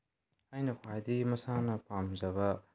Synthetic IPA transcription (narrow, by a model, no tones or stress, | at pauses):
ajnɐpʰajd̪imɐsanɐpamzɐβɐ